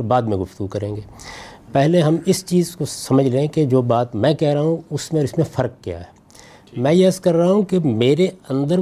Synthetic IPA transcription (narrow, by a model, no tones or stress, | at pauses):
ɾbaːd̪mẽɡʊft̪əɡukɐɾẽːŋɡeː | pɛɦleɦɐmɪst͡ʃiːzkosɐməd͡ʒʱlɐẽked͡ʒoːbaːt̪mɛ̃ːkɛɦɾaaɦũʊsmẽɔːɾɪsmẽfɐɾkːja̰ːɦɛː | mɛ̃ːjeəskɐɾːɦaɦũkemeːɾeɐ̃nd̪əɾ